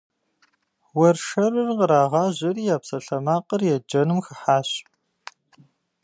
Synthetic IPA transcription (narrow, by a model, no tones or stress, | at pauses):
wɐrʃɐrɨrqəɾaːʁɑːʑɪriːjaːpsɐɬɐmaːqərjɛd͡ʒɐnɨmxɨħaːɕ